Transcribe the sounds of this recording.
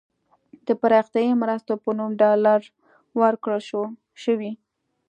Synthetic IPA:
d̪̥əpaɾɑxt̪jɑjimɾast̪opənumɖɑlaɾ | wəɾkɽəlʃo | ʃəwi

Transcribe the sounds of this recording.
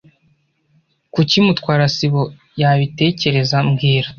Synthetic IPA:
kucimutkwaːɾasiβo̞ | jaβite̞ːce̞ɾe̞zamɡiːɾa

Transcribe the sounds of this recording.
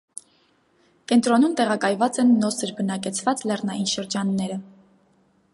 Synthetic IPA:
kɛnt̪ɾɔnumt̪ɛʁɑkɑjvɑt͡sɛnːɔsəɾbənɑkɛt͡sʰvɑt͡slɛrnɑjinʃəɾd͡ʒɑnːɛɾə

